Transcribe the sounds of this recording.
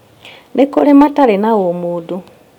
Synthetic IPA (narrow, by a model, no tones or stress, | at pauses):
nʔekoɾemataɾenaomuːdu